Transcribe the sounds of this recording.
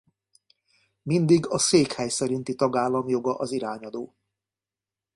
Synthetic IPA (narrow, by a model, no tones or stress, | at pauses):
mind̪iɡɒseːkhɛjsɛɾint̪it̪ɒɡaːlːɒmjo̞ɡɒʔɒziɾaːɲɒd̪oː